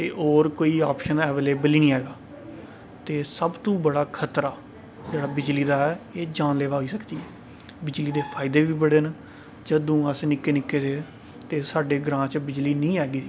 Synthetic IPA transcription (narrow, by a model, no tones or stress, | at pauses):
t̪eːʔoːɾkoːiːaːpʃənɛːʋeːleːbəliːnĩːɦɛːɡaː | t̪eːsəbt̪ũːbəɽaːkʰət̪ɾaː | d͡ʒeːɽaːbɪd͡ʒliːd̪aːɛːeːd͡ʒaːnleːʋaːɦoiːsəkd̪iːɦɛː | bɪd͡ʒliːd̪eːpʰaːɪd̪eːʋiːbəɽeːn | d͡ʒəd̪ũːəsnɪkːeːnɪkːeːd̪eː | t̪eːsaːɖeːɡɾãːt͡ʃbɪd͡ʒliːnĩːɦɛːɡiː